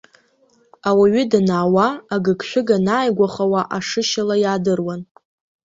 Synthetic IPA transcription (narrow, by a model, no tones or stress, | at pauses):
awaɥʏdanaːwaːɡɨkʰʃʷᶣʊɡanaːjɡʷaχawaʔaʂɨʃalajaːdɨrwan